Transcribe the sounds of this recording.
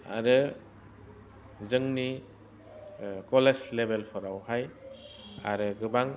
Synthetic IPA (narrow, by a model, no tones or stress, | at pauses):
a̰ɾɯ | zɯŋni | kɔleslebelpʰɔɾawhaj | a̰ɾɯɡɯbaŋ